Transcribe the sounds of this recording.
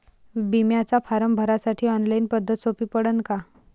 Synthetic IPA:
bimjat͡safʰaɾəmbʱəɾasaʈʰiːɔnlainpəd̪ʱːət̪sopiːpəɽənka

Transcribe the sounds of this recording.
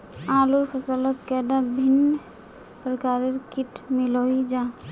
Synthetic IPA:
aːlupʰəsələt̪kɛd̪abʱɪn | pɾəkaːɾeɾkɪʈʰmɪloid͡ʒaː

